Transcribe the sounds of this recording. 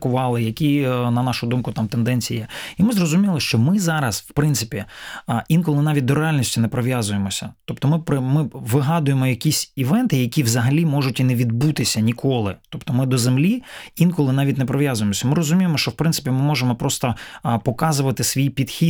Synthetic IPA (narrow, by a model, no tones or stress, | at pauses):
kʊʋɑlˠɪjɐkʲinɐnɑʃʊd̪umkʊt̪ɑmt̪end̪ɛnʲt͡sʲijijɛimɪzrɔzʊmʲilˠɪʃt͡ʃɔmɪzɑɾɐswpɾɪnt̪sɪpʲiinkɔlˠɪnɑʋʲit̚ʲd̪ɔɾeɑlʲnʲisʲtʲinɛpɾɔʋjazʊjemɔsʲɐt̪ɔpt̪ɔmɪpɾɪmɪʋɪɦɑd̪ʊjemɔjɐkʲisʲiʋɛnt̪ɪjɐkʲiʋzɐɦɐlʲimɔʒʊtʲineʋʲid̪but̪ɪsʲɐnʲikʰɔlˠɪt̪ɔpt̪ɔmɪd̪ɔzemlʲiinkɔlˠɪnɑʋʲitʲnepɾɔʋʲjazʊjemɔsʲɐmɪɾɔzʊmʲijemɔʃt͡ʃɔwpɾɪnt̪sɪ̥pʲimɪmɔʒemɔpɾɔst̪ɔpɔkɑzʊʋɐt̪ɪsʋʲijpʲid̪xʲi